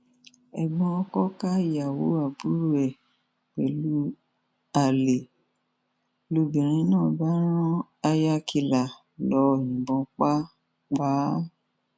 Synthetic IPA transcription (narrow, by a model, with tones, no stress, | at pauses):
ɛ˨ɡ͡bɔ̃˧ɔ˧kɔ˦ka˦˨ja˨wo˨˦a˨bu˦ɾu˦ɛ˨ | k͡pɛ˨lu˦ | a˨le˨ | lu˧bĩ˨ɾ̃ĩ˧˦nãː˦˨ba˦ɾ̃ɔ̃˦ | a˧ja˧kʰi˧la˨ | lɔ˨˦˨ĩ˨bɔ̃˨˧k͡pa˦ | ɡ͡ba˨˦